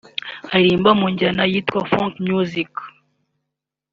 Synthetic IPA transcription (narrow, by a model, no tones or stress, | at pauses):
aɾiːmbamuɲɟanajiːtkwafaŋkmjuzik